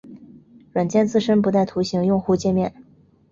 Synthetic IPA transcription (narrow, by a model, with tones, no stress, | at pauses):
ɻwa˨˩nt͡ɕjɛ˥˧nt͡sɹ̩˥˩ʂə˥npu˧˥t̪a˥˩ɪt̪ʰu˧˥ɕi˧˥ŋjʊ˥˧ŋxu˥˧t͡ɕjɛ˥˧nmjɛ˥˩n